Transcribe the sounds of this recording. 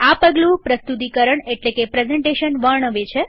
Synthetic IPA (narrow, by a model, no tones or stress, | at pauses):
apəɡlũpɾəst̪ut̪̬ikəɾəɳeʈlekepɾezɛɳʈeʃənʋəɾɳəʋet͡ʃʰe